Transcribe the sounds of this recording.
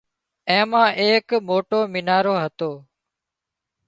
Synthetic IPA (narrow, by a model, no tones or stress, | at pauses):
ɛ̃ːmãːʔeːkmoːʈoːmɪnaːɾoːɦət̪oː